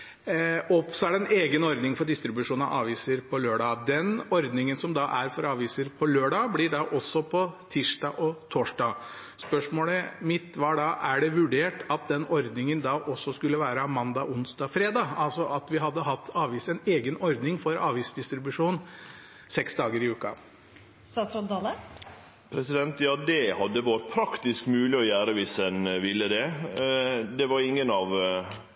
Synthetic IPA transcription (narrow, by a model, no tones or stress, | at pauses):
ɔpsɔæɖɛneːɡənɔɾd̪nɪŋfɔɖɪst̪ɾɪbʉʂuːnɑ̰ʔɑ̰ːʋiːsəɾpʰɔløːɖɑːd̪ɛnɔɾd̪nɪŋənsɔmd̪ɑʔæɾfɔɾɑːʋiːsəɾpʰɔløːɖɑːblɪɖɑʔɔsːɔpʰɔt̪ʰiːʂɖɑʔɔt̪ʰoːʂɖɑ | spœʂmoːləmɪt̪ʋɑːɖɑʔæɖɛʋʉɖeːʈɑt̪̚d̪ɛnɔɾd̪nɪŋənd̪ɑːʔɔsːɔskʉlːəʋæːɾəɑmɑnd̪ɑʔʊnsd̪ɑːfɾeːd̪ɑɑlsɔʔɑt̪ʋɪɦɑd̪ːəɦɑt̪ʰːɑːʋiːsɛneːɡənɔɾd̪nɪŋfɔɾɑ̰ːʋiːsd̪ɪst̪ɾɪbʉʂuːn | sɛksd̪ɑːɡəɾɪʉːkɑ̰ | sɑsɔnd̪ɑlə | pʰɾɛsɪd̪ɛnt̪jɑːd̪ɛhɑd̪ːəʋɑɾt̪pʰɾɑkt̪ɪskmʉːlɪɔjæːɾəʋɪsɛnʋɪlːəd̪ɛ | d̪ɛʋɑɾɪŋːənɑʋ